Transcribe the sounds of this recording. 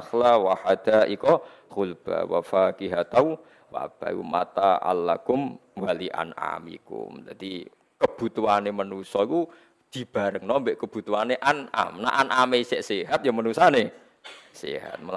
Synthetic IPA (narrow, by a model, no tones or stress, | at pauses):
xlawahad̪̥aikɔ | xulb̥a̰wa̰fakiɦat̪au | wa̰b̥a̰ṵma̰t̪aʔa̰lːakʊmwaliʔa̰na̰mḭkʊ̰md͡ʒad̪̥i | kəb̥ut̪uanemənusɔiku | d̪̥i̤b̥aɾəŋnɔmbɛʔkəb̥ut̪uaneʔana̰mna̰ʔanʔameisɛʔsiɦat̪̚jamənusane | sḭɦa̰t̪̚məl